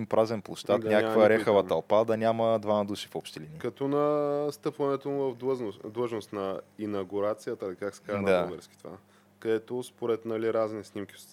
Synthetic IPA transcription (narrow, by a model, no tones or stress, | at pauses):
impɾʔazɛnplˠoʃt̪at̪nʲakkvəɾɛxəvət̪ɐlˠpad̪ɐnʲaməd̪vamɐd̪uʃi̥fɔpʃt̪ilinikɐt̪ɔnɐst̪ɤpvɐnɛt̪omʊvɐvd̪d̪lˠəʒnost̪nɐinɐɡuɾat̪sijət̪əːlikaksɛ̥kad̪aɡɛɾskʲi̥t̪va̰ | kɐd̪ɛt̪ospoɾɛt̪nɐliɾazniɛsnimkʲi